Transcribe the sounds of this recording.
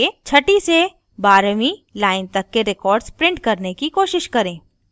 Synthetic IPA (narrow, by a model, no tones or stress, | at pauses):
et͡ʃʰɐʈise | baːɾmilaːɪnt̪ɐkːeɾɪkɔːɾɖspɾɪ̃ɳʈ̚kɐɾnekikoːʃɪʃkɐɾẽː